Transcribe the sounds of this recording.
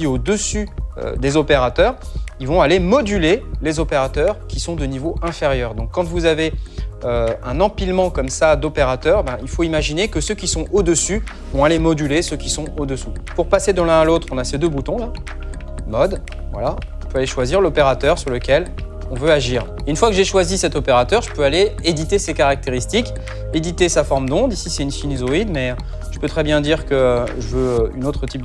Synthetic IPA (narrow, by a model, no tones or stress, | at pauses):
iod̪əsyø̰d̪ezɔpeʁat̪œːʁilvɔ̃alemɔd̪ylelezɔpeʁat̪œʁkʲisɔ̃d̪ənivoʔɛ̃feʁjœːʁd̪ɔ̃kːɑ̃t̪vuzaveøɛ̃nɑ̃pilmɑ̃kɔmsad̪opeʁat̪œʁebɛ̃ilfoimaʒinekəsøkʲisɔ̃ʔod̪əsy | vɔ̃alemɔd̪ylesøkʲisɔ̃od̪əsu | puʁpased̪əlɛ̃alot̪χɔ̃nased̪øbut̪ɔ̃ɛ̃ | mɔd̪ | vwa̰la | əpøaleʃwaziʁlɔpeʁat̪œʁsyʁləkʲɛl | ɔ̃vøaʒiːʁ | ynfwakəʒeʃwazisɛt̪ɔpeʁat̪œʁʒəpøaleed̪it̪esekaʁak̚t̪eʁist̪ik | ed̪it̪esafɔʁmd̪ɔ̃d̪ʁisisɛynsinizoid̪mɛ | ʒ̥əpøt̪χɛbjɛ̃d̪iʁkəʒəvøynot̪χət̪ip̚